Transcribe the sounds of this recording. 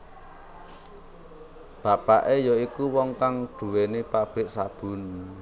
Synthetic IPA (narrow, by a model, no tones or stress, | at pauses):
b̥a̤paʔejɔikuwɔŋkaŋɖ̪̥ṳwenepab̥ɪʔsab̥ʊ̤n